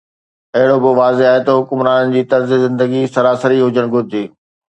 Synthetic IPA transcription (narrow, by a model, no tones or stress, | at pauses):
ɐɦɪɽobɪʋaːzeaːɦet̪ɐɦʊkʊmɾaːnənɪ̆d͡ʑiːt̪ɐɾzizɪ̃nd̪əɡisɐɾaːsəɾiɦʊd͡ʑəɽ̃ɡʱʊɾd̪iː